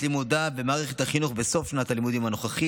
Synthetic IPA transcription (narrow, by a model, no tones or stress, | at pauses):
limud̪abe̞maːʁeχet̪haχinuχbeso̞fnat̪alimud̪imhano̞χaχi